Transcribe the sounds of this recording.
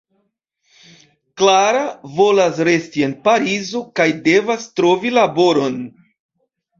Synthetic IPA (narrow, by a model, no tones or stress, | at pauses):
klaɾavo̞lasɾe̞stie̞npaɾizo̞kajde̞vastɾo̞vilaboɾo̞n